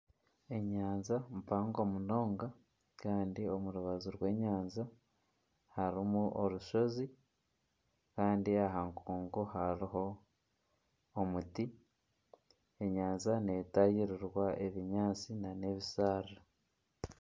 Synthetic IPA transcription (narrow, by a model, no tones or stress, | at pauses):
e̞ɲaːnzampaːŋɡo̞muno̞ːŋɡa | kaːndio̞muɾuβazuɾwe̞ːɲaːnza | haɾimuʔoɾuʃo̞zi | kaːndiaɦaŋkuːŋɡohaɾiɦo̞ | muti | e̞ɲaːnzane̞tajiɾiɾwae̞βiɲaːt͡sinane̞βisaːɾa